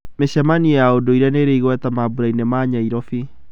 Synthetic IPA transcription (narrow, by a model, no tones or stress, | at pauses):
meɕɛmanijaodoiɾɛneɾeiɣwɛtamabuɾainemaːɲaiɾɔfi